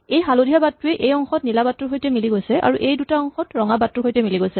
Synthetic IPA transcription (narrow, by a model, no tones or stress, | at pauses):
ejɦalodijabatːʊɛʔejɔŋxɔtnilabatɹuɦojtɛmiliɡojsɛa̰ɹuʔejdutaɔŋxɔtɹɔŋabatɹuɦojtɛmiliɡojsɛ